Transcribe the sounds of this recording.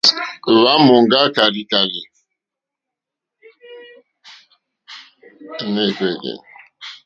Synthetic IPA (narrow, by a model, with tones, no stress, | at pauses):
βa˦mo˨ŋ˦ɡa˦ka˨li˨ka˨li˨˦ | ne˦˨ke˦˨dḛ˨n